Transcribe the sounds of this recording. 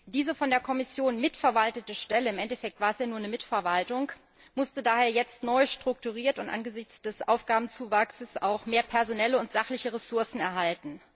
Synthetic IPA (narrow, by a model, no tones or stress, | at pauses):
d̥iːzəfɔndeːɐkʰɔmɪsjoːnmɪtfɛɐvaltətəʃtɛləɪmʔɛntɛfɛk̚tv̥aːɐɛsjaːnuːɐnəmɪtfɛɐvaltʊŋ | mʊstədaːheːɐjɛt͡stnɔʏʃtʁ̥ʊk̚tuʁ̞iːɐtʊntʔa̰nɡəzɪçt͡sd̥ɛsʔa̰ʊfɡ̥aːbm̩n̩t͡suːvaksəsʔaʊxmeːɐpʰɛɐzonɛləʊntz̥aχlɪçəʁɛsʊɐsn̩ɛɐɦaltn̩